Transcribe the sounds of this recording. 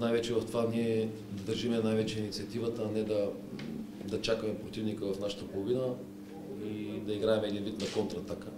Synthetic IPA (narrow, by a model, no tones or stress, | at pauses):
najvɛt͡ʃɛvɐft̪ovaniɛ | d̪ɐd̪əɾʒimɛnajvɛt͡ʃɛinit̪siɐt̪ivət̪əːnɛd̪ɐ | d̪ɐt͡ʃakəmɛpɾot̪ivnikəvɐfnaʃə̥t̪əpolˠovinə | id̪ɐiɡɾaɛmɛːd̪invit̪nɐkont̪ɾɐːt̪akə